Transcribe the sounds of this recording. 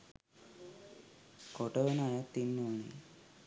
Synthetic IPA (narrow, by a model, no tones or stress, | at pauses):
koʈəʋenajat̪ːinːuːni